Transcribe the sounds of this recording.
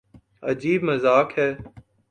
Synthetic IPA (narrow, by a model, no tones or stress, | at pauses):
ə̰d͡ʒiːbməzaːkhɛː